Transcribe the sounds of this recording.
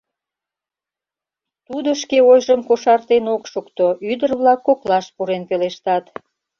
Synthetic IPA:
t̪ud̪oʃkeojʒəmkoʃɑrt̪enokʃukt̪oʔyd̪ərβlɑkːoklɑʃpuɾenpeleʃt̪ɑt̪

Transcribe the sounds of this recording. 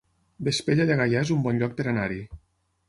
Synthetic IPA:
b̪espeʎaʎaɣajazumbɔnʎɔk̚peɾanaɾi

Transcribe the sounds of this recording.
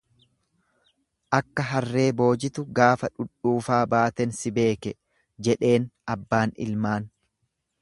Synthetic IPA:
ʔɐkːɐɦɐrːe̞ːbo̞ːd͡ʒɪt̪ʊɡaːfɐᶑʊᶑːuːfaːbaːt̪ɛnsɪbe̞ːkɛ | d͡ʒɛᶑe̞ːnʔɐbːaːnɪ̰lmaːn

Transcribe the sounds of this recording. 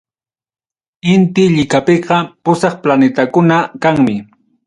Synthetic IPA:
ɪnt̪ɪʎɪkapɪqɑpʊsɑχplanɪt̪akʊnakaŋmɪ

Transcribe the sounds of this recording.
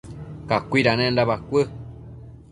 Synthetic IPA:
kakʷiɾanẽnd̪aβakʷə

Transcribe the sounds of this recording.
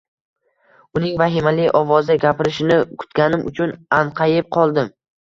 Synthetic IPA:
ʊnɪŋvaɦɪmalɪjʔɒvɒzɪɡʲapʰɪɾɪʃɪnɪkʰʊ̥t̪ɡʲanɪmʊ̰t͡ʃʰʊnanqʰɑjɪp̚qʰɒlˠd̪ɪm

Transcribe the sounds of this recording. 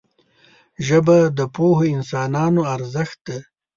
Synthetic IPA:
ʒəbad̪əpohoɪnsɑːnɑːnoaɾzəxt̪̚d̪a

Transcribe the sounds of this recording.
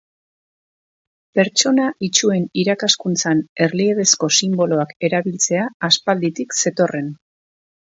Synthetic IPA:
pe̞ɾt͡ʃo̞naʔit͡ʃue̞niɾakaskunt͡sane̞ɾlieðe̞sko̞simbo̞lo̞ake̞ɾaβilt͡se̞aːspald̪it̪ikse̞t̪o̞re̞n

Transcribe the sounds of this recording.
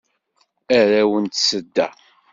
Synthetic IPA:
æɾæwənt̪səd̪ːæ

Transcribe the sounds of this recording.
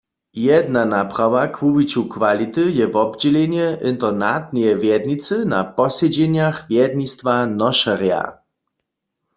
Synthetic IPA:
jɛd̪nanapʁ̥awakvuwit͡ɕukvalit̪ɨjɛvɔbd͡ʑɛlɛɲɛʔint̪ɛnat̪̚nʲɛjɛvjɛd̪nit̪sɨna̰pɔsɛd͡ʑɛɲjaxvjɛd̪nist̪vanɔʃaʁja̰

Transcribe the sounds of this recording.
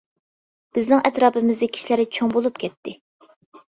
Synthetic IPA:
b̥ɪznɪŋʔɛt̪ɾɑːpɪmɪzd̪ɛkʲʰi̥ʃilæɾɪt͡ʃʰoŋbolˠupkʲʰɛt̪ːɪ

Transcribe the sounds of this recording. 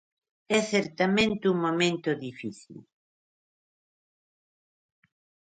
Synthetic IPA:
ɛθɛɾt̪amẽnt̪ɪuŋmomẽnt̪ʊðifiθḭl

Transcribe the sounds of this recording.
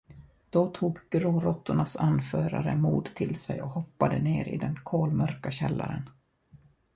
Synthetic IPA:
d̪̥ɔt̪ʰuːɡɡɾoːɾɔt̪ːʊɳasanfœːɾaɾəmuːd̪t̪ʰɪlsɛjɔhɔpːad̪əneːɾɪ̰d̪ɛnkʰoːlmœɾkaɕɛlːa̰ɾən

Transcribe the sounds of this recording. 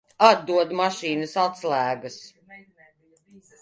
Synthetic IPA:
ad̪̚ːuɔd̪maʃiːnəsat̪slˠæːɡas

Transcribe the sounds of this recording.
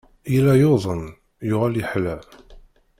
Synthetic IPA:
ilæjoðˤən | jʊʁæljəħlæ

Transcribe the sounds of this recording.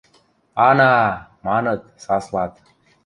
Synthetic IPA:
aːnaːmaːnət̪saːslaːt̪

